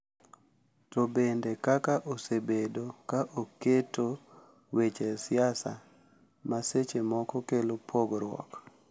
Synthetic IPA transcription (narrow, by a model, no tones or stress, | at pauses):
tobendekakaʔosebedokaʔoketo | wet͡ʃesɪasa̰ | maset͡ʃemɔkɔkelopʰoɡɾwɔ̰k